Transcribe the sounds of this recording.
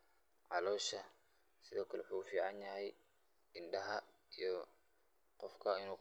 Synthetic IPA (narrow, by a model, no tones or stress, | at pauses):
ʕɑlɔːʃɐ | sɪðɔːkʰɐlɛħuːfiːʕɑnjɐɦɛj | ɪnɗɐɦɐ | ijɔ | qɔfkʰɐɪnuː